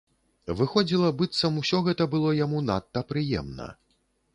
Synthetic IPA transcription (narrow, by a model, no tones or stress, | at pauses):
vɨxɔd͡zʲilˠɐbɨt̪sɐmusʲɔɣɛt̪ɐbɨlˠɔjamunat̪ːɐpɾɨjɛ̰mnɐ̰